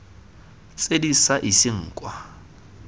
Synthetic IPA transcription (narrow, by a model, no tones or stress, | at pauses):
t͡sʼedisaʔisɪŋ̩ːkʼwa